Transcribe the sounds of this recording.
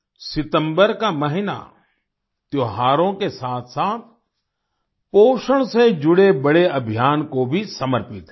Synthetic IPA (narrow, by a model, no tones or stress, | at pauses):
sɪt̪ə̃mbəɾkamɐɦɪna̰ | t̪joɦaːɾõkesaːt̪ʰsaːt̪̚ʰ | poːʃəɽ̃sed͡ʒʊɽebəɽeɐbʱijaːnkobʱisɐməɾpɪt̪